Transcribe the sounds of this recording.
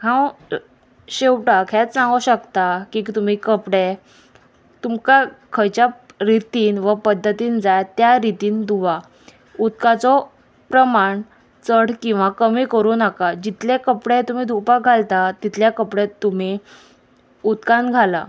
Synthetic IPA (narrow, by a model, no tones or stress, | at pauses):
kãw | ɕewʈakʰɛt͡ssãŋɡuɕəkt̪akiːt̪um̤iːkəpɽe | t̪umkakʰəjt͡ɕja | ɾit̪iːnʋəpəd̪ʱːət̪iːnd͡zajt̪jaɾit̪iːnd̪uʋa | ud̪̚kat͡sɔ | pɾəmaɳ | t͡səɽkĩw̃ʋakəmiːkəɾuːnəkad͡ʑit̪lekəpɽẽt̪um̤iːd̪ʱupaɡʱalt̪at̪it̪ʰljakəpɽet̪ːum̤i | ud̪kãnɡʱala